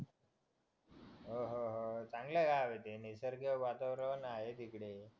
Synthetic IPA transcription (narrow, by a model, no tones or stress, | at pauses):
ɦoɦoɦot͡sãŋɡleɡaʋet̪enesəɾkeʋat̪aʋɾəʋnaɦet̪ikɽe